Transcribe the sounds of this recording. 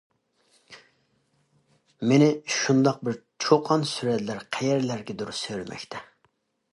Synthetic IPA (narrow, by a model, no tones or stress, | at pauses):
menɪʃund̪ɑq̚bɪɾt͡ʃʰoqʰɑnsyɾɛt̪læɾqʰɛjɛɾlæɾɡʲɛd̪uɾusøjɾɪmʔɛ̰kʲt̪ʰɛ